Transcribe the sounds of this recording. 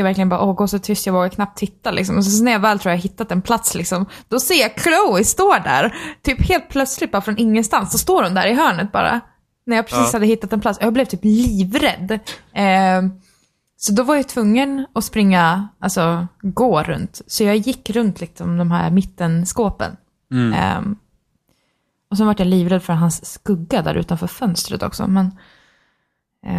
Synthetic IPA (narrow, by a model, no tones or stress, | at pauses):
javæɾklɪɡənbɑːɾ̰ʔɔːɡoːsɔt̪ʰʏst̪jɑvoːɡakʰnap̚t̪ʰːɪt̪ːalɪ̰ksɔmɔsɛssnæɾjɑːvɛːlt̪ɾuːjahaɦɪt̪ːat̪ɛnpʰlat̪slɪksɔmd̪̥ɔseːjɑkʰloʊɪst̪oːɖæ̰ɾt̪ʰyːpheːlt̪̚pʰlœt̪slɪt̪̚bɑːɾafɾɔnɪŋːənst̪ansːɔst̪oːɾhʊnd̪æ̰ːɾɪɦœːɳət̪̚bɑ̰ːɾa̰ | næɾjɑːpʰɾɛsiːshad̪ːəhɪt̪ːat̪ɛnpʰlat̪sjaːblɛvt̪ʰyːpliːvɾɛd̪ː | sɔd̪ɔvaɾjat̪ʰvɵŋːənɔspɾɪŋːaalsɔɡoːɾɵ̰nt̪sɔjɑːjɪkːɾɵnt̪ʰlɪksɔmd̪ɔmɦæ̰ːɾmɪt̪ːənskoːpə̰n̰ | ɔs̬ɛnvaʈːjaliːvɾɛd̪fœɾɦansːkɵɡːad̪æ̰ːɾʉ̟̰ːt̪anfœːɾfœnst̪ɾə̰t̪ɔ̰ksɔ̰mɛn